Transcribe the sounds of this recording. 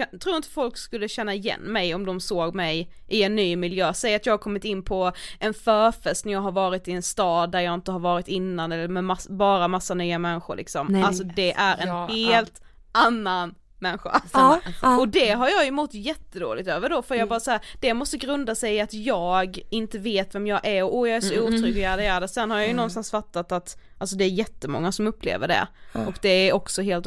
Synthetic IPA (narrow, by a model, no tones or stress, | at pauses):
t̪ʰɾuːɾɪnt̪ə̥fɔlkskɵlːəɕɛnːaɪjɛ̰nːmɛjɔmd̪ɔmsoːɡmɛj | ʔɪɛnːyːmɪljøːsɛjat̪jɑːɡhaɾkʰɔmːɪt̪ɪnːpʰɔʔɛnfœːɾfɛst̪næɾjɑːɡɦaɾvɑːɾɪt̪ɪɛnst̪ɑːd̪ːæɾjɑːɪnt̪əhaɾvɑːɾɪt̪ɪnːanɛlːəɾmɛmasbɑːɾamasːanyːamɛnɧʊ̰ɾɭʔɪ̰ksɔmalsɔd̪ɛʔæɾɛnheːlt̪ | ʔanːan | mɛnɧa̰alsɔɔd̪ɛɦaɾjɑːjɵmɔt̪ːjɛt̪ːəd̪o̰ːlɪɡ̚t̪øːvəɖɔfœɾjɑːbɑːɾasɔhæːɾd̪̥ɛmɔst̪əɡɾɵnd̪asɛjat̪jɑːɡɪnt̪əveːt̪vɛmjɑːʔæɾɔʔɔjɑːæʂɔuːt̪ʰɾʏɡlɪadɪæːd̪asɛnːhaɾjɑjɵnɔnst̪ansfat̪ːat̪at̪ʔals̬ɔd̪ɛːɾjɛt̪ːəmɔ̰ŋːasɔmɵpːlḛːvə̰ɖɛ̰ʔɔkd̪ɛæɾɔksɔɦeːlt̪